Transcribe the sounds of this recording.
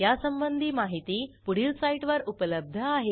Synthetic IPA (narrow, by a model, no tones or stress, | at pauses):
jasəmbənd̪ʱiːmaɦit̪iːpuɽ̤iːlsaiʈʋəɾupələb̚d̪ʱəaɦe